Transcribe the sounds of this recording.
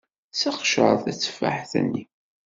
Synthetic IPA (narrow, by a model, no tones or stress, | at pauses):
sɑqʃə̰ɾˤθæt͡sːfːa̰ħθə̰nːi